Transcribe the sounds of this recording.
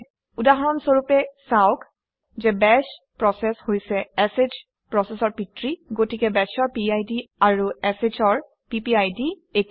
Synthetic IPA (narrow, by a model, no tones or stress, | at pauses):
udaɦɔɹɔnsoɹupɛsaʊk | zɛbɛs | pɹɔsɛshojsɛɛsed͡ʒ | pɹɔsɛsɔɹpitɹiɡotikɛbɛsɔɹpiajdiaɹuɛset͡ʃɔɹ | pipiajdi | ek